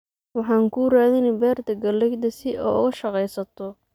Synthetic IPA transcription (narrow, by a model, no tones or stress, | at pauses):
wɑħɑːŋkʰuːraːðɪnɛbɛːrt̪ʰɐɡɐlɛɡd̪ɐsɪʔɔ̰ːʊ̰ɣɐʃɐqɛjsɐt̪ʰɔ